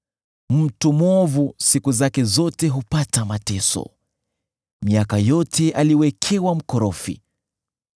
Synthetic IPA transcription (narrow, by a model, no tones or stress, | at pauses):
m̩tumwɔvusikuzakɛzɔtɛɦupatamatɛsɔ̰ | miakajɔtʰɛʔaliwɛkʰɛwam̩kɔɾɔfḭ